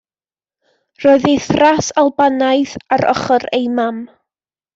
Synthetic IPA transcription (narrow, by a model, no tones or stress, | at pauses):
rɔɨðejθrasalˠbanajθaɾɔ̰χəɾejmam